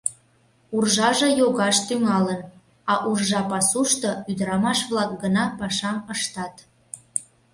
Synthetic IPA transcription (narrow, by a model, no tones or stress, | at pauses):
urʒɑʒɤ̆joɣɑʃt̪yŋɑlən | ɑʔurʒɑpɑsuʃt̪oyd̪əɾɑmɑʃβlɑk̚ɡənɑpɑʃɑməʃt̪ɑt̪